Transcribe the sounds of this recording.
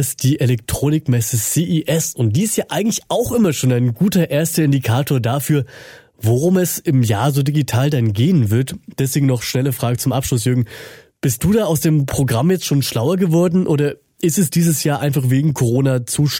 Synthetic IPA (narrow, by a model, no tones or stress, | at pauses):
sd̥iːʔelɛk̚tʁ̥oːnɪkmɛsəsiʔiʔɛsʊnt̚d̥iːɪstjaːʔaɪɡŋ̩tlɪçʔaʊxʔɪmɐʃoːnaɪnɡuːtɐʔeːɐstɐɪndikʰaːtʰoːɐdaːfyːɐ | voʁʊmɛsɪmjaːɐzoːdiɡitʰaːldanɡeːənvɪɐtd̥ɛsv̥eːɡŋ̩nɔχʃnɛləfʁ̥aːɡət͡sʊmʔapʃlʊs̬jʏɐɡŋ̩ | b̥ɪst̚d̥uːdaːaʊsd̥eːmpʁ̥oɡʁamjɛt͡stʃoːnʃlaʊɐɡəvɔɐdn̩ʔoːɾɐ | ʔɪstɛsd̥iːzəsjaːʔaɪnfaχv̥eːɡŋ̩kʰoʁ̞oːnat͡suːʃ